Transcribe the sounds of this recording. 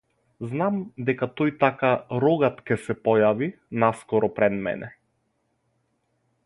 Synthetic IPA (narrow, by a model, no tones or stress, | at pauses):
znamd̪ɛkat̪ɔjt̪akaɾɔɡat̪cʲɛsɛpɔjavi | naskɔɾɔpɾɛd̪mɛ̰nɛ